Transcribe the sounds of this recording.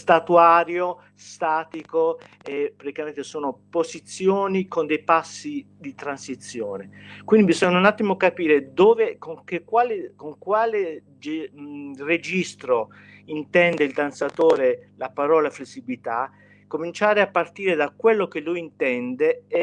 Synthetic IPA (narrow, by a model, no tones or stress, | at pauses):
st̪at̪uaːɾjo | st̪aːt̪iko | epːɾat̪ikament̪esɔːnopozit̪sːjoːnikond̪ejpasːi | d̪it̪ɾansit̪sːjoːnekwind̪ibizɔɲːaunat̪ːimokapiːɾed̪oːvekoŋkekwaːlekoŋkwaːle | d͡ʒ | red͡ʒist̪ɾo | int̪ɛnd̪eild̪ansat̪oːɾelapaɾɔːlaflesːibilit̪a | komint͡ʃaːɾeapːart̪iːɾed̪akwelːok̟elujint̪ɛnd̪eɛ